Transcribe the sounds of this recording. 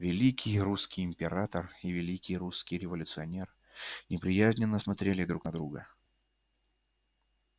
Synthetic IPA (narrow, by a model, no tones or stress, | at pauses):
vʲɪlʲikʲʰɪjruskʲɪjɪmʲpʲɪɾat̪ərivʲɪlʲikʲɪjɾuskʲɪjɾʲɪvəlʲʊt̪sɨɐnʲer | nʲɪpɾʲɪjæzʲnʲɪnːəsmɐt̪ɾʲelʲɪd̪ɾuknɐd̪ɾuɡə̰